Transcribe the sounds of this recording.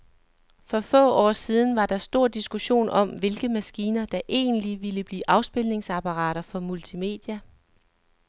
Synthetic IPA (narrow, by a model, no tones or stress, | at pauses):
fɒ̽fɔ̰̽ːɒ̰ːsið̞ˠn̩ʋɑ̈d̥ɑ̈sd̥o̝ɐ̰d̥isɡ̥uɕo̝̰ːnʔɒ̽mʋe̝lɡ̥əmæsɡ̥iːnɐd̥ɑ̈ʔe̝̰ːnliʋiləb̥lḭːʔɑ̈ʊsb̥e̝lne̝ŋsɑ̈pʰɑ̈ʁɑ̰̈ːɾ̥ɐfɒ̽mult͡sʰime̝̰ːd̥jæ